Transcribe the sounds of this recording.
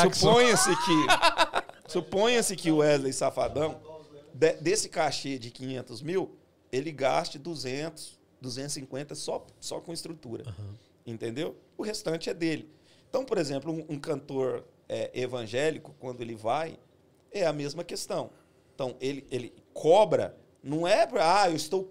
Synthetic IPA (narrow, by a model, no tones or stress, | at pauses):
uspõjɐ̃sɪkɪ | supõjɐ̃sɪkɪʊɛzlesafa̰d̪ɐ̃w̃d̪ɛd̪esɪ̥kaʃed͡ʒɪkĩɲẽnt̪ʊzmiw | elɪɡast͡ʃɪd̪uzẽnt̪ʊ̥s | d̪uzẽnt̪ʊsĩŋkwẽnt̪ɐsɔsɔ̰kõɪst̪ɾut̪uɾɐ̰̃ | ẽnt̪ẽnd̪ewʊhest̪ɐ̃t͡ʃɪɛd̪elɪ | ẽt̪ɐ̃w̃poɾezẽmplʊũũkɐ̃nt̪oɾ | ɛʔevɐ̃ʒɛlikʊ̥kwɐ̃nd̪ʊelɪvaj | ɛɐmezmɐkest̪ɐ̃w̃ | ẽt̪ɐ̃w̃ʔelɪʔelɪ | kʰɔbɾɐ̰ | nɐ̃w̃ɛpaewɪst̪ow